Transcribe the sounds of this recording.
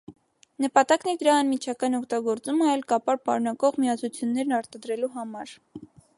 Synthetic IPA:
nəpɑt̪ɑknɛd̪əɾɑːnmit͡ʃʰɑkɑnɔkt̪ɑɡɔɾt͡suməɑɛlkɑpɑɾpɑ̰ɾunɑkɔʁmiɑt͡sʰut͡sʰjunːɛɾnɑɾt̪ɑd̪ɾɛluɦɑmɑɾ

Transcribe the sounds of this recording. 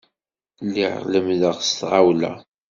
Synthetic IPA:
lːiʕʁləmðəʁst̪ʁawlæ̰

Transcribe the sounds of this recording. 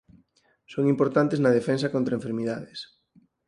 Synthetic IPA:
soŋimpoɾt̪ant̪eznɐðefens̬ɐkont̪ɾɐẽɱfeɾmiðaðes

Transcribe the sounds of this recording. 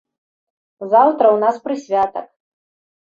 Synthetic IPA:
zawt̪ɾɐwnaspɾɨsʲvʲat̪ɐk

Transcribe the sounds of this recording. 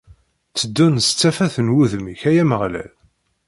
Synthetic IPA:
t͡sːəd̪ːunst͡sːæfæθənwuðmiçæjæməʁlæ̰l

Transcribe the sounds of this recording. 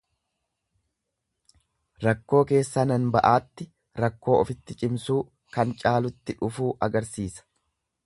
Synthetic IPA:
ɾɐkːo̞ːke̞ːsːɐnɐnbɐʔaːt̪ːɪ | ɾɐkːo̞ːɔfɪt̪ːɪt͡ʃʼɪmsuː | kɐnt͡ʃʼaːlʊt̪ːɪᶑʊfuːʔɐɡɐɾsiːsɐ̥

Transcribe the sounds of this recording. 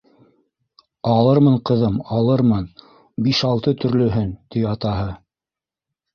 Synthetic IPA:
ɑlˠɤɾmɤɴqɤ̆ðɤmɑlˠɤɾmɤn | biʃɑlˠt̪ɤt̪ɵ̆ɾlɵ̆ɦɵnt̪iɑt̪ɑɦɤ

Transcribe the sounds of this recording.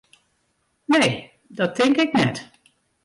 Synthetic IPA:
nej | dɑtɪŋkɪknɛt

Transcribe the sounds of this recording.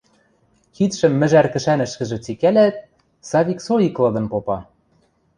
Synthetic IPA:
xit̪ʃɘ̆mːɘ̆ʒærkɘ̆ʃænɘ̆ʃkɘ̆ʒɘ̆t͡sikælæt̪̚ | sɑβʲiksoiklɤ̆d̪ɤ̆npopɑ

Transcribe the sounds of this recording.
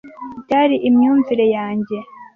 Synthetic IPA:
taɾiʔimɲuːnziɾejaːɲɟe̞

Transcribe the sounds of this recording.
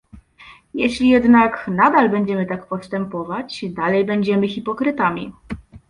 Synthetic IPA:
jɛɕlʲijɛd̪naknad̪albɛɲd͡ʑɛmɘt̪akpɔst̪ɛmpɔvat͡ɕd̪alɛjbɛɲd͡ʑɛmɘxʲipɔkɾɘt̪amʲḭ

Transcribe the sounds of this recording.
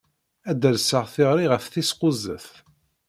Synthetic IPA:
æd̪əɾsəʁθɪʁɾiʁəfθisqʊzə̰θ

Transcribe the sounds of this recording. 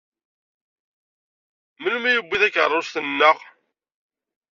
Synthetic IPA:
məlmæjəbːiðækə̰rˤːosθənːəʁ

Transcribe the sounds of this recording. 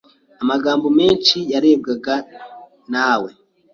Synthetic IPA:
amaɡaːmbome̞ːnʃijaɾeːb̚ɡaɡa | nawe

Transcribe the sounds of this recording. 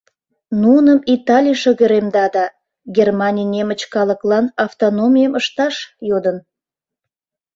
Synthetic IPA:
nuənəmit̪ɑlʲijʃəɣəɾemd̪ɑd̪ɑ | ɡʲermɑnʲijnʲemət͡ɕkɑləklɑnɑft̪onomʲijəməʃt̪ɑʃjod̪ən

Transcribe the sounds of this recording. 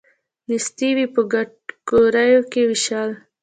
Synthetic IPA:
nist̪iwipəɡa | ɡ̥oɾajokewiʃɑl

